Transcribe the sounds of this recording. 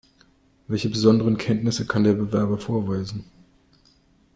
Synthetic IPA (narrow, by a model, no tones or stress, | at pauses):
vɛlçəbəzɔndəʁənkʰɛntnɪsəkʰandeːɐbəvɛɐbɐfoːɐvaɪzn̩